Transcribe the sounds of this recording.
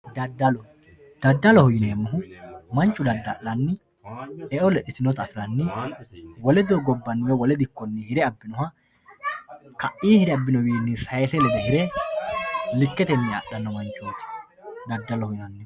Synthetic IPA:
d̪ɐd̪ːɐlɔ | d̪̥ɐd̪ːɐlɔhɔjɪneːmːʊɦʊmɐnt͡ʃʼːʊd̪ɐd̪ːɐʔlɐnːɪ | ɛʔɔlɛᶑɪsɪnɔt̪ɐfɪɾɐnːɪ | wɔlɛd̪oɡɔbːɐnːʊwɛwɔlɛd̪ɪkːɔnːɪhɪɾɛɐbːɪnɔhɐ | kɐʔiːhɪɾɛɐbːɪnɔwiːnːɪsɐjɛsɛlɛd̪ɐhɪɾɛ | lɪkːɛt̪ɛnːɪɐ̰ɗːɐnːɔmɐnt͡ʃːuːt̪ɪ̥ | d̪ɐd̪ːɐlɔhɔjɪnɐnːɪ

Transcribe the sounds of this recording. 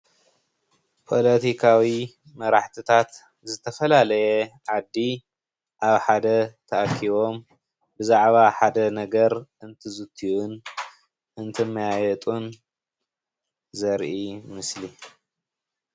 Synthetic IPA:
pʰo̞lɐt̪ʰikʰawi | mɐɾaħt̪ʰɨt̪ʰat̪ | zɨt̪ʰɐfɐlalɐjeʕad̪ːi | ʔaβħad̪ɐt̪ʰɐʔakʰːiβo̞m | bɨzaʕβaħad̪ɐnɐɡɐɾʔɨnt̪ʰɨzɨt̪ʰːiun | ʔɨnt̪ʰɨmːɐjajɛt̪ʼun | zɐɾʔimɨsli

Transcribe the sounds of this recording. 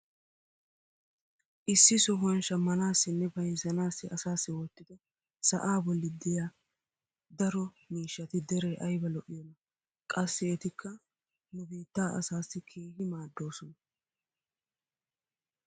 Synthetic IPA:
ʔɪsːɪsʊɦɐnʃɐmːɐnaːsːɪnːɛbɐjzɐnaːsːɪɐsaːsːɪwɔt̪ːɪd̪ɛ | sɐ̰ʔaːbɔlːɪd̪ɪjaː | d̪ɐɾɔ | miːʃːɐt̪ɪd̪ɛɾeːʔɐjbɐlɔʔɪjɔnːɐ | kʼɐsːɪɛt̪ɪkʰːɐ | nʊbiːt̪ːaːʔɐ̰saːsːɪkʰiːhɪmaːd̪ːo̞ːsɔnɐ

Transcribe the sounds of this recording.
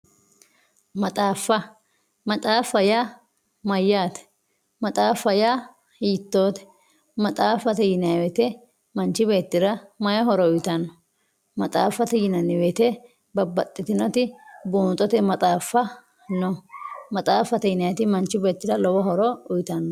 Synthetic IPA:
mɐt̪ʼaːfːɐ | mɐt̪ʼaːfːɐjaː | mɐjːaːt̪ɛ̥ | mɐt̪ʼaːfːɐjaː | hiːt̪ːoːt̪ɛ̥ | mɐt̪ʼaːfːɐt̪ɛjɪnɐwɛt̪ɛ | mɐnt͡ʃːɪbe̞ːt̪ːɪɾɐmɐjɐɦɔɾɔʊjt̪ɐnːɔ | mɐt̪ʼaːfːɐt̪ɛjɪnɐnːɪwɛt̪ɛ | bɐbːɐt̪ʼːɪt̪ɪnɔt̪ɪbuːnt̪ʼɔt̪ɛmɐt̪ʼaːfːɐ | nɔmɐt̪ʼaːfːɐt̪ɛjɪnɐjɛt̪ɪmɐnt͡ʃːɪbe̞ːt̪ːɪɾɐlɔwɔɦɔɾɔʊjt̪ɐnːɔ

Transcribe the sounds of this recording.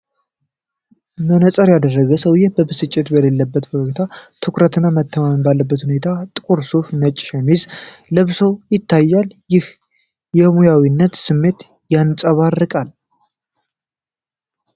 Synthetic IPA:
mənəsʼəɾjad̪ərːəɡəsəwjɛbəbɨsɨt͡ʃʼːɪt̪bəlelːəbːət̪bəɡt̪ʰat̪ʰɨkɾət̪ɨnːamət̪ʰːəmambalːəbːət̪hune̞t̪ʰat̪ʼɨkʼuɾsofnət͡ʃʼːʃamizləβsowjɪt̪ʰːajːalɪh | jɛmujawinːət̪sɨmːe̞t̪ | jant͡sʼəβarːɨkʼal

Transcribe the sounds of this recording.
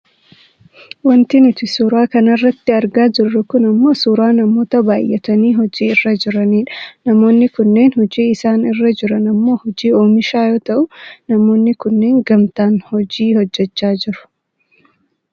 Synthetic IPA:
wɐnt̪ɪnɪfɪsuːɾaːkɐnɐrːɐt̪ːɪɐɾɡaːd͡ʒɪrːɐkʊnɐmːo̞ːsuːɾaːnɐmo̞ːt̪ɐbaːjʔɛt̪ɐniːɦɔd͡ʒiːɪrːɐd͡ʒɪɾɐniːᶑɐ̥nɐmo̞ːnːɪkʊnːe̞ːnhɔd͡ʒiːɪsaːnɪrːɐd͡ʒɪɾɐnɐmːo̞ːhɔd͡ʒiːoːmɪʃaːjoːt̪ɐʔʊnɐmo̞ːnːɪkʊnːe̞ːŋɡɐmt̪aːnhɔd͡ʒiːhɔd͡ʒːɛt͡ʃːaːd͡ʒɪɾʊ̥

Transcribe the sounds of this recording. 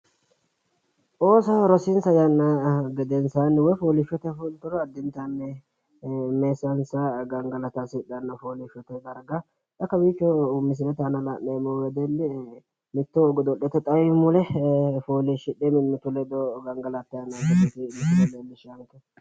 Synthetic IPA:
ʔoːsɐɾɔsɪnsɐjɐnːɐɡɛd̪ɛnsanːɛwɔjfoːlɪfɔt̪ɛfʊlt̪ːʊɾɔɐd̪ːɪnt̪ɐnːɛ | meːsːɐnsɐɡɐŋɡɐlɐt̪asɪɗɐnːɐfoːlɪfɔt̪ɛd̪ɐɾɡɐ | t̪ɐkːɐwiːt͡ʃːɔmɪs̬ɪlɛt̪ɐnɐlɐʔːeːmowɛd̪ɛlːɪ | mɪt̪ːɔɡɔd̪ɔʔɛt̪ːɛt̪ʼɐjʊmʊlɛfoːlɪʃɪᶑɛmɪmːɪt̪ːʊlɛd̪ɔɡɐŋɡɐlɐt̪ːɐnːɐkɛt̪ːɛt̪ɪmɪt̪ɔlɛlːɪʃɐŋkɛ

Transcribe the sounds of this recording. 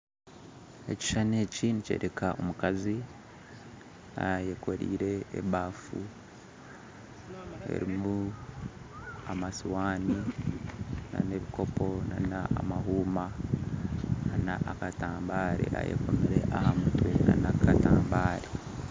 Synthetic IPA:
e̞ci̥ʃane̞ːcinice̞̰ːɾekaʔomukazi | ajekʰo̞ɾḭːɾe̞ːβaːfu | e̞̰ɾimu | amasiwaːni | na̰ne̞βiko̞po̞nanaamaɦuːma | anaʔakataːmbaːɾḛʔa̰jḛko̞miɾe̞̰ʔahamutwena̰nakataːmbaːɾe

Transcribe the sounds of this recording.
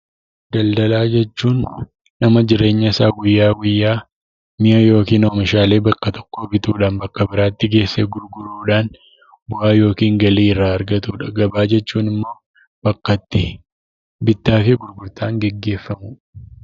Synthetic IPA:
d̪̥ɐld̪ɐlaːd͡ʒɛt͡ʃːuːnː | ɐmɐd͡ʒɪɾe̞ːɲːɐsaːɡʊjːaːɡʊjːaː | mɪɐjo̞ːkiːnoːmɪʃaːle̞ːbɐkːɐt̪ɔ̥kːoːbɪt̪uːᶑaːnbɐkːɐbɪɾaːt̪ːɪɡe̞ːsːeːɡʊɾɡʊɾuːᶑaːn | bʊʔaːjo̞ːkiːŋɡɐliːɪrːaːɐɾɡɐt̪uːᶑɐɡɐbaːd͡ʒɛt͡ʃːuːnɪmːo̞ː | b̥ɐkːɐt̪ːɪ | bɪt̪ːaːfeːɡʊɾɡʊɾt̪aːŋɡɛɡːe̞ːfːɐmʊ

